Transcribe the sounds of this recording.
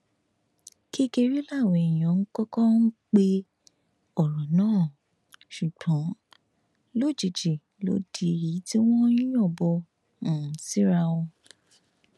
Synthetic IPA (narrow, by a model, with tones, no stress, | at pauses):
ki˦ke˧ɾi˦la˦˨we˨ɛ˨j̃ɔ̃˨˦ŋ̩˦kɔ˦kɔ̃˦n̩˦k͡pe˦ | ɔ˨ɾɔ̃˨nãː˦˨ | ʃu˨k͡pɔ̃˨˦ | lo˦˨d͡ʒi˨d͡ʒe˨ | lo̰˨˦di˧˨ɾi˨˦ti˦w̃ɔ̃˦ĩ˦ɔ̃˦˨bɔ˧ | ñ̩˨si˦ɾa˧wɔ̃˧